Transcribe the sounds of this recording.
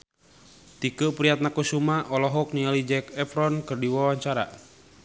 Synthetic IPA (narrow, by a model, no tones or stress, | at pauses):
t̪ikəpɾiat̪̚nakusumaʔɔlɔɦɔk̚nialid͡ʒɛkɛfɾɔnkɨrdiwawaɲt͡ʃaɾa̰